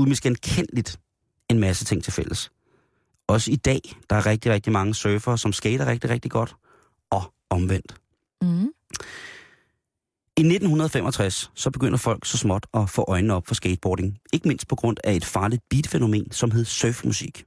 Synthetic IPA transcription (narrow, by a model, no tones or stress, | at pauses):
uðˠmesɡ̥ænkʰen̰lid̥ | e̝nmæsət͡sʰe̝ŋ̰t͡sʰe̝lfel̰əs | ɒ̽səid̥ɛ̰ːd̥ɑ̈æɐʁɛɡ̥̚d̥iʁɛɡ̥̚d̥imɑ̈ŋəsœːfɐsɒ̽msɡ̥eɪɾ̥ɐʁeɡ̥̚d̥iʁeɡ̥̚d̥iɡ̥ɒ̽d̥ | ɒ̽ | ɒ̽mʋen̰d̥ | ine̝d̥n̩hunɐð̞ˠɒfemʔɒ̽t͡sʰʁasːɒ̽b̥e̝ɡ̥øn̰ɐfɒ̽l̰ɡ̥sɒ̽smɒ̽d̥ɒ̽fɔ̰̽ːʔɒ̽ɪnnəɒ̽b̥fɒ̽sɡ̥eɪd̥̚b̥ɒːɾe̝ŋe̝ɡ̥əme̝n̰sd̥̚pʰɒ̽ɡ̥ʁɔ̽n̰æe̝d̥fɑ̈ːlid̥̚b̥iːd̥əfeno̝me̝̰ːnsɒ̽mɦe̝ð̞̰ˠsœːfmusiɡ̥